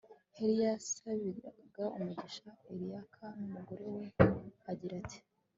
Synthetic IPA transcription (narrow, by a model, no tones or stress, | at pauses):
heɾijasaβiaɡaumuɟiʃaeɾijakʰanumuɡo̞ɾe̞we̞aɟiɾati̥